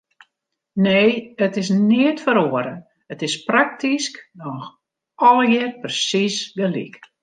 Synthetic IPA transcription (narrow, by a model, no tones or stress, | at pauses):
neːətɪsniətfəɾoəɾə | ətɪsprak̚tʰisknɔx | ʔɔlˠjɛərprəsisɡəlḭk